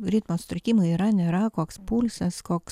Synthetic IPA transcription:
ɾʲɪt̪moːsʊ̥t̪ʲɾʲɪkʲiːmɐɪiːɾɐnʲeːɾɐkoːkspulʲsʲɐskoːks

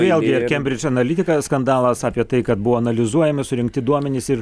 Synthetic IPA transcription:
ʋʲeɛlʲˠɡʲɪɪɾkʲɛmʲbʲɾʲɪt͡ʃɐnɐlʲɪt̪ʲɪkɐskɐnd̪ɑːlˠɐsɑːpʲiɛt̪ɐɪkɐt̪̚bʊʋoːɐnɐlʲɪzuɔjɛmɪsʊɾʲɪŋkt̪ʲɪd̪uɔmʲɛnʲɪsɪɾ

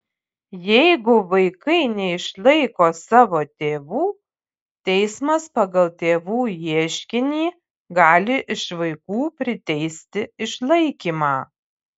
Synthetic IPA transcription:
jɛɪɡʊʋɐɪkɐɪnʲɛɪʃlˠɐɪkoːsɑːʋoːt̪ʲeːʋuː | t̪ʲɛɪsmɐspɐɡɐlˠt̪ʲeːʋuːjiɛʃʲkʲɪnʲiː | ɡɑːlʲɪʔɪʃʋɐɪkuːpʲɾʲɪt̪ʲɛɪsʲt̪ʲɪɪʃlˠɐɪkʲiːmɑː

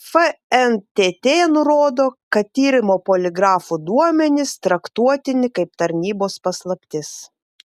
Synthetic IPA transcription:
fɛɛnt̪ʲeːt̪ʲeːnʊɾoːd̪oːkɐt̪t̪ʲiːɾʲɪmoːpoːlʲɪɡɾɑːfud̪uɔmʲɛnʲɪst̪ɾɐkt̪uɔt̪ʲɪnʲɪkɐɪpt̪ɐɾʲnʲiːboːspɐslˠɐpʲt̪ʲɪs

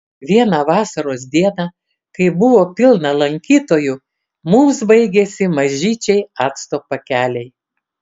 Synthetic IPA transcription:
ʋʲiɛnɑʋɑːsɐɾoːs̬d̪ʲiɛnɑ | kɐɪbʊʋoːpʲɪlˠnɐlˠɐŋʲkʲiːt̪oːjʊ | muːmsbɐɪɡʲesʲɪmɐʒʲiːt͡ʃʲɛɪɑːt̪st̪oːpɐkʲæːlʲɛɪ

